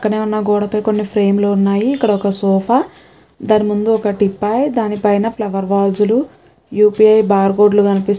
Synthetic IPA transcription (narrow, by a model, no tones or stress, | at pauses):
ɐkːɐne̞ːunːɐɡɔːɽɐpɐjko̞nːipʰɾe̞ːmloːunːaːjiːkːɐɽɐɔkɐsɔːpʰaː | d̪aːnimund̪uɔkɐʈipːaːjd̪aːnipɐjnɐplɐʋɐɾʋaːlsulu | juːpiɐjbaːɾɡoːɖluɡɐnipi